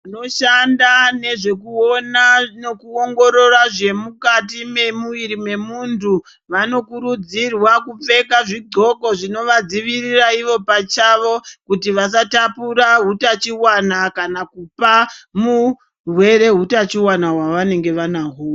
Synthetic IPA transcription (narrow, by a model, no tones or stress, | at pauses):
ano̞ʃandane̞ʐe̞kuonanokuo̞ŋɡo̞ɾo̞raʐe̞mukatime̞muʋiɾime̞muntʰu | ʋano̞kuɾud͡zirwakup͡fe̞kaʐiɡo̞ko̞ʐino̞ʋad͡ziʋiriraiʋo̞pat͡ʃaʋo̞kutiʋas̬atapuɾaɦutat͡ʃiwanakanakupamu | rwe̞ɾe̞ɦutat͡ʃiwanaɦwaʋane̞ŋɡe̞ʋanaɦuw